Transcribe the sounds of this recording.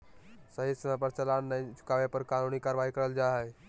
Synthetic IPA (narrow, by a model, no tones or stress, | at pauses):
səɦisənãpəɾt͡ʃəlanːait͡ʃʰʊ̥kaːʋepəɾkaːnunikaɾəʋaːɦikəɾəld͡ʒaːɦe